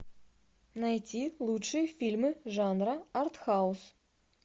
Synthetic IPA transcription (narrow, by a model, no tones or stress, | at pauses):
najtʲilˠutʂɨjfʲilʲmɨʐɑnraart̪xaʊs